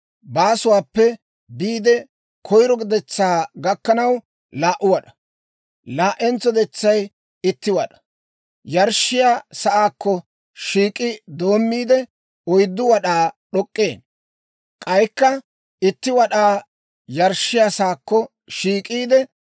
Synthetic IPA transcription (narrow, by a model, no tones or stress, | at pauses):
baːsʊwaːpːɛ | biːd̪ɛ | kʰɔjɾɔɡd̪ɛt͡sːaːɡɐkːɐnɐw | laːʔʊwɐɗɐ̥ | laːʔɛnt͡sːɔd̪ɛt͡sːɐj | ɪt̪ːɪwɐɗɐ̥ | jɐɾʃɪjaːsɐʔaːkːɔ | ʃiːkʼɪd̪o̞ːmːiːd̪ɛ | ɔjd̪ːʊwɐɗaːɗɔkʼːe̞ːn | kʼɐjkːɐ | ɪt̪ːɪwɐɗaː | jɐɾʃːɪjasaːkːɔ | ʃiːkʼiːd̪ɛ